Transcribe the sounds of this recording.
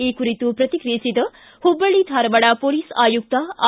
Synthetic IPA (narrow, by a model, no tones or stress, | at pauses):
ekuɾit̪upɾɐt̪ikɾesit̪ə | hubəɭit̪ʰaɾbɐɽapoliːsaːjuk̚t̪a